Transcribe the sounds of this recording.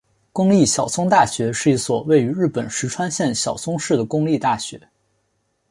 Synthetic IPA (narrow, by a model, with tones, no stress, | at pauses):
kʊ˥ŋli˥˩ɕjɑ˨˩ʊt͡sʰʊ˥ŋt̪a˥˩ɕɥɛ˧˥ʂɻ̩˥˩i˧˥swɔ˨˩we˥˩ɪy˧˥ɻɻ̩˥˩pə˨˩nʂɻ̩˧˥ʈ͡ʂʰwa˥nɕjɛ˥˩nɕjɑ˨˩ʊt͡sʊ˥ŋʂɻ̩˥˩d̪ə˩kʊ˥ŋli˥˧t̪a˥˩ɕɥɛ̰˧˥